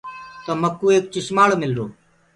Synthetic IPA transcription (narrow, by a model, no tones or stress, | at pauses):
t̪əːməkːuːeːk̚t͡ʃɪʃmaːɽmɪlɾoː